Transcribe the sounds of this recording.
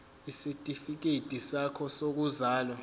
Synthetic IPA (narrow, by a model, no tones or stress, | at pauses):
isitʼifik̬etʼisakʰɔsok̬uzaːlɔ